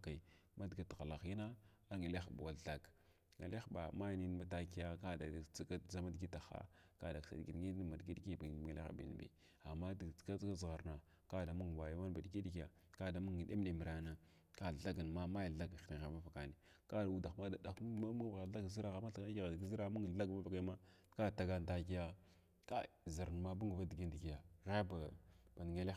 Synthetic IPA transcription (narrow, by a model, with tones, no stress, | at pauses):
ka˨i˨ | ma˦dɡa˨ta˨la˨xi˦na˦ | a˦ŋa˨le˦xba̰˨wa˨ɮa˨ɡ | ŋa̰˨la˦xba˨ma˦jni˦n˦ma˦ta˦ki˦ja˦ka˦da˨˦kd͡za˦ma˦dɡi˦ta˨xa̰˦ | ka˦da˨ksa̰˨dɡi˨n˨ŋi˦ma˨dɡi˦i˦ki˦ba˨le˦xbḭ˨n˨bḭ˨ | a˨mːa˦dka˦ka˦zɣa˨ɾna˨ | ka˦da˨mu˦ŋ˨wa˨ja˦wa˦nba˨ɗi˨ki˦di˦ki˦ja˨ | ka˦da˨mu˦ŋ˨ɗe˦m˦de˨mi˨ɾa˨na˦ | ka˦˨a˦ɡa˨nma˦ma˦ja˨ɮa˦ɡna˨ɣa˨va˦fa˨ka˨ni˨ | ka˦da˨u˦da˨xma˦da˨da˨ka˦m˦˨ɣa˨˦a˦ɡzi˦ɾa˦ɣa˨ma˦ɬa˦n˦ɡi˦ɣa˨dɡi˦zi˦ɾa˦mu˦ŋ˨ɬa˦ɡma˦va˨ka˦ma˦ka˦˨ta˨ɡa˦nta˦ki˦ja˦ | ka˦˨zi˨ɾn˨ma˦bu˦ŋ˨va˦di˨ɡi˦n˨di˨ɡi˨ja˨ɣa˦ba˨b̥a˨n˨ŋe˦le˦˨